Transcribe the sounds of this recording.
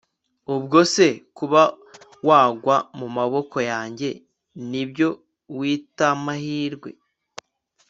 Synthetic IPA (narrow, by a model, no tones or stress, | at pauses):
ubɡo̞se̞kuβa | waːɡwamumaβo̞ko̞jaːɲɟe̞ | nibɟo̞ | wiːtamahiːɾɡwe̞̰